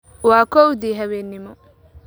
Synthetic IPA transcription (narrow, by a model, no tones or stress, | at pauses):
waːkɔwd̪iɦɐwenːɪmɔ